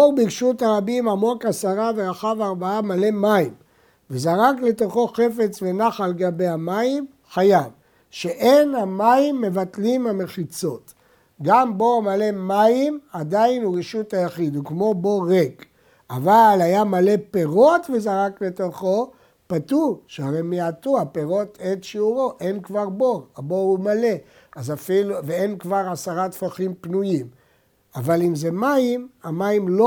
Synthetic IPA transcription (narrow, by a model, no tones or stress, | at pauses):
obiʁʃutaʁabimamo̞kasaʁaveʁaχavaʁbaamale̞maim | vezaʁakle̞to̞χo̞χe̞fe̞t͡sve̞naχaleɡabehamaim | χajav | ʃeʔenhamaimːe̞vatlimhame̞χit͡so̞t | ɡambo̞male̞maimadainuʁeʃuthajaχid̪ukmo̞bo̞ʁek | avalajamale̞pe̞ʁo̞tvezaʁakle̞t̪o̞χo̞ | patuʃeaʁemejat̪uhapeʁo̞tetʃiuʁo̞ʔe̞nkvaʁboabo̞umale̞ | azafiluveenkvaʁasaʁat̪faχimpnujim | avalimzemaimamaimlo